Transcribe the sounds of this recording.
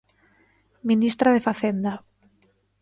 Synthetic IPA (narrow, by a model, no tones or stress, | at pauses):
minist̪ɾaðefaθend̪a